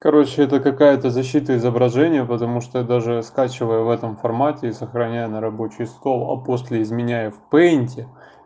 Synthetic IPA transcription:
kɐɾot͡ɕːɪɛt̪əkɐkajət̪əzɐɕːit̪əɪzəbɾɐʐɛnʲɪjəpət̪ɐmuʂt̪od̪aʐɨskat͡ɕɪvəjəvɛt̪əmfɐrmatʲɪːsəxɾɐnʲæjənəɾɐbo̞t͡ɕɪjst̪o̞lˠɐ̰posʲlʲɪɪzmʲɪnʲæjəfʲpɛnʲtʲɪ

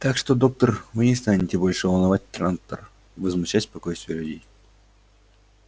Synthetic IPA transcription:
t̪akʂt̪o̞d̪o̞k̚t̪ərvɨnʲɪst̪anʲɪtʲɪbo̞lʲʂɨvəlˠnɐvat̚ʲt̪ɾant̪ə̰r | vəzmʊɕːatʲspɐko̞jst̪vʲɪjəlʲʉdʲej

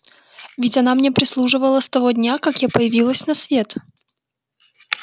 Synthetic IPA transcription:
vʲɪtʲɐnamnʲepɾʲɪslˠuʐɨvəlˠəst̪ɐvodʲnʲakakjapəjɪvʲilˠəsʲnɐsvʲe̞t̪

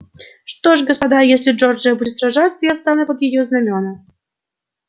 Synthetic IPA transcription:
ʂt̪ɔʂɡɐspad̪ajesʲlʲɪd͡ʐɔrd͡ʐɨjɐbudʲɪt̪sɾaʐat̪səjafst̪anɛpɐd̪jɪjɔznamʲɔnɐ

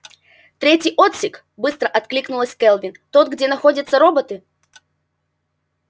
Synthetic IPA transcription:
t̪ɾʲetʲɪjʔo̞t̪sʲɪk | bɨst̪ɾəʔɐt̪klʲiknʊlˠəsʲkɛlˠvʲɪnt̪o̞t̪̚ɡdʲenɐxo̞dʲɪt̪səɾo̞bət̪ɨ

